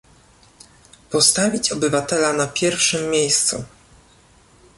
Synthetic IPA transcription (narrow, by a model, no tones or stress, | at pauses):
pɔst̪avʲit͡ɕɔbɘvat̪ɛlanapʲjɛɾfʂɘmːʲejst̪sṵ